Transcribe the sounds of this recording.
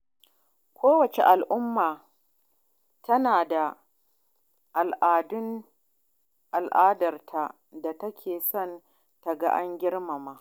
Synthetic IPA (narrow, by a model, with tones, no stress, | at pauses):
kʷʰoː˦wɐ˨t͡ʃe˨ʔa˨lʔʊ˦mːaː˨ | tɐ˦naː˨da˨ | ʔa˨lʔaː˨dʊ˦n | ʔa˨lʔaː˦dɐ˨rtʰa˨ | da˨tɐ˦kʲʰeː˨sɔ˦˨n | ta˨ɡa˦ʔa˦ŋɡʲɪ˦rma˨maː˦